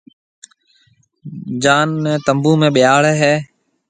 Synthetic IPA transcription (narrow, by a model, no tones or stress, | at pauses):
d͡ʒaːnːt̪əmbũːmẽːɓɪjaːɭɦɛː